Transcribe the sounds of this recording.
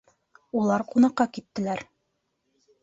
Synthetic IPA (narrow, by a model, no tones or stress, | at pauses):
ulˠɑɾqunɑqːɑkit̪ːɘ̆læɾ